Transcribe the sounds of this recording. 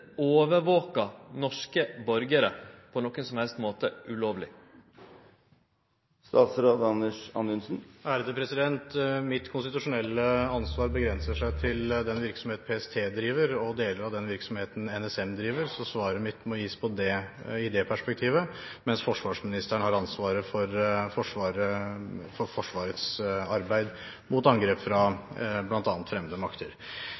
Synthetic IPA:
oːʋəɾʋoːkɑnɔʂkəbɔɾɡəɾəpʰɔnɔkːənsɔmhɛlst̪moːt̪əʔʉloːʋlɪ | st̪ɑːt̪sɾɑːd̪ɑnəʂɑ̰nd̪ʉnsn̩ʔæːɾəd̪əpʰɾɛsɪd̪ɛnt̪mɪt̪kʰʊnst̪ɪt̪ʉʂʊnɛlːəɑnsʋɑːɾbəɡɾɛnsəʂæɪt̪ʰɪld̪ɛnʋɪɾksɔmheːt̪pʰeːɛst̪ʰeːd̪ɾiːʋəɾɔd̪eːləɾɑʋd̪ɛnʋɪɾksɔmheːt̪n̩ɛnɛsɛmd̪ɾiːʋəɾsɔsʋɑːɾəmɪt̪ːmɔjiːspʰɔd̪ɛɪd̪ɛpʰæʂpɛk̚t̪ʰiːʋəmɛnsfɔʂʋɑːʂmɪnɪst̪əɳəhɑɾɑnsʋɑːɾəfɔɾfɔʂʋɑːɾəfɔɾfɔʂʋɑːɾət̪sɑɾbæɪd̪ | mʊt̪ɑŋɡɾeːpfɾɑblɑnt̪ɑːnt̪fɾɛməd̪əmɑkt̪əɾ

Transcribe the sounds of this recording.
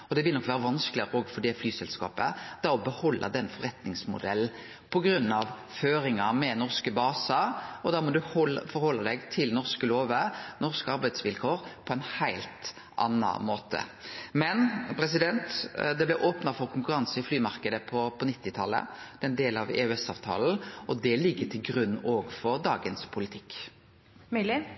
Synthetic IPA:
ɔd̪ɛʋɪlnɔkːʋæːɾəʋɑnskəlɪɾɔːɡfɔɖ̪ɛflyːsɛlskɑ̰ːpə̰d̪̥ɛɔbəhɔlːʔə̰d̪ɛnːfɔʁɛt̪nɪŋsmʊ̰d̪ɛlː | pʰɔɡɾʉnːɑʋ | føːɾɪŋɑmɛnɔʁskəbɑːsəɔd̪ɑːmɔd̪ʉhɔlfɔɾhɔlːɑd̪ɛɡt̪ʰɪlnɔʁskəloːʋənɔʁskɑɾbæɪd̪sʋɪlkʰoːɾpʰɔɛɪnhæɪlt̪ | ɑ̰nːɑ̰moːt̪ʰə̰mɛnpʰɾɛs̬ɪd̪ɛnt̪d̪ɛblæʔoːpnɑfɔɾkʰʊŋkʉɾɑnsəɪflyːmɑɾkəd̪əpʰɔpʰɔnɪt̪ːɪt̪ʰɑlə̰d̪̥ɛnd̪eːlɑʋɛ̰ʉɛsɑ̰ːʋt̪ʰɑ̰ːln̩ɔd̪ɛlɪɡːət̪ʰɪlɡɾʉnːoːɡfɔɾd̪ɑːɡənspʰʊlɪt̪ʰɪkː

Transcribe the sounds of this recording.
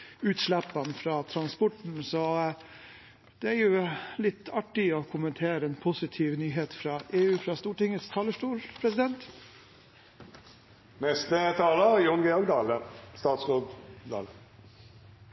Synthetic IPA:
ʉːt̪ʂɭæpːɑnfɾɑːt̪ʰɾɑnspɔʈɳ̩sɔ | d̪̥ɛæɾjʊlɪt̪ːɑʈːɪɔkʰʊmənt̪ʰeːɾəɛnpʰʊsɪt̪ʰiːʋnyːɦeːt̪fɾɑːʔeːʉːfɾɑːst̪uːʈɪŋət̪st̪ʰɑːləʂʈuːɾpʰɾɛsɪd̪ɛnt̪ | mɛst̪ət̪ʰɑːləjʊnɡeɔɡd̪ɑːləst̪ɑːt̪sʁod̪d̪ɑ̰ːlə

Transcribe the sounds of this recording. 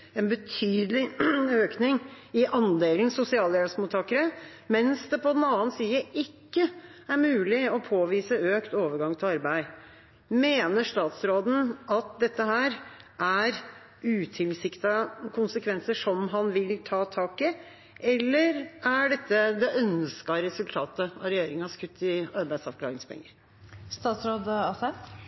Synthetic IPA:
ɛnbət̪ʰyːd̪əlɪøːknɪŋ | ɪʔɑnd̪eːln̩sʊsɪɑːljæːlsmuːt̪ʰɑːkəɾə | mɛnsd̪ɛpʰɔd̪ɛnɑːənsiːəʔɪkːəæɾmʉːlɪɔpʰoːʋiːsəøːkt̪oːʋəɾɡɑŋt̪ʰɪlɑɾbæɪ | meːnəʂt̪ɑːt̪sɾoːd̪n̩ɑt̪̚d̪ɛt̪ːəɦæːɾʔæɾ | ʉːt̪ʰɪlsɪkt̪ɑkʰʊnsəkʰʋɛnsəʂɔmɦɑnʋɪlt̪ʰɑːt̪ʰɑːkɪ | ʔɛlːəɾæɖɛt̪ːəd̪ɛʔœnskɑɾɛsʉlt̪ʰɑːt̪əɑɾɛjeːɾɪŋɑskʉt̪ːɪɑɾbæɪd̪sɑʋklɑ̰ːɾɪŋspʰɛ̰ŋːəɾ | st̪ɑːt̪sɾoːd̪ɑsɛ

